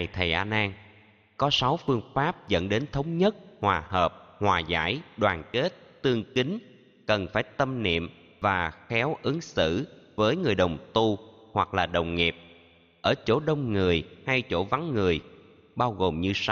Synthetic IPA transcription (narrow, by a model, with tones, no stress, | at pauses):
a˨˩jt̪ʰə˨˩jʔaː˧naː˧ŋ | kɔ˨˦sa˨˦wfɨ˧əŋfaː˦˥p̚zə̰˧˥nɗe˨˦nt̪ʰə˨˦wŋ͡mɲə˦˥t̚hwaː˨˩həː˨˩p̚hwaː˨˩za̰ː˧˥jɗwaː˨˩nke˦˥t̚t̪ɨ˧əŋkï˨˦ŋ̟ | kə˨˩nfaː˧˩jt̪ə˧mnḭ˧˨əm | vaː˨˩xɛ˨˦wʔɨ˨˦ŋsɨ̰˧˥vəː˨˦jŋɨ˨˩əjɗə˨˩wŋ͡mt̪u˧ | hwa˨˩k̚laː˨˩ɗə˨˩wŋ͡mŋi˨˩p̚ | ʔəː˧˩t͡ɕo̰˧˥˩ɗə˧wŋ͡mŋɨ˨˩əjha˧jt͡ɕo̰˧˩va˨˦ŋŋɨ˨˩əj | ɓaː˧wɣo˨˩mɲɨ˧sa˧w